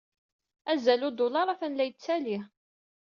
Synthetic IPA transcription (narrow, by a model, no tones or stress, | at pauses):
æzælʊd̪ʊlɑɾˤæfænlæjət͡sːælih